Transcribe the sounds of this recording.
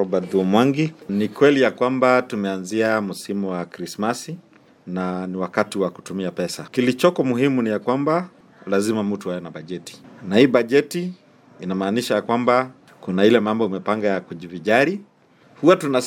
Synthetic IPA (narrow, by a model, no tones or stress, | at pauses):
ɔbadumwaŋɡinikwɛlijakwambatumɛanziam̩simɔwakɾismasi | naniwakatiwaku̥tumiapɛsakilit͡ʃɔkɔmuhimunijakwamba | lazimamutuhajɛnabaʄɛti̥nahiːbaʄɛti | inamaːniʃajakwamba | kunailɛmambɔimɛpaŋɡajakuʄiviʄaɾi | huatuna